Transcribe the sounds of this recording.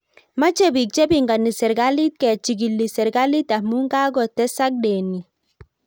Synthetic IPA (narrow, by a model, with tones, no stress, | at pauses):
ma˦t͡ʃe˦bi˨k̚t͡ʃe˦bi˦˨ŋɡa˨ni˨sɛ˨ɾɡa˦li˦t̪̚kɛ˨t͡ʃi˨ɡi˨lːi˨sɛ˨ɾɡa˦li˦ta˨mu˦ŋɡa˦ɡɔ˨tɛ˦sa˦k̚de˨ni˨